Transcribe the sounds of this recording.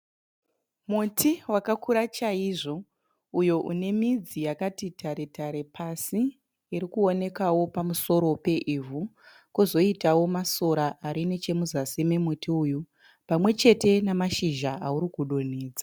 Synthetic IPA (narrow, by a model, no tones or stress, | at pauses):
mutʰiwakakuɾat͡ʃaiʐo̞ | ujo̞ʔune̞mid͡zijakatitʰaɾe̞taɾe̞pʰasiː | ɾikuo̞ne̞kawo̞pamuso̞ɾo̞pe̞ʔivu | kuzo̞itawo̞maso̞ɾaʔaɾine̞t͡ʃe̞muzasime̞mutiuju | pamwe̞t͡ʃe̞te̞namaʃiʒaʔauɾikuɗoneːd͡za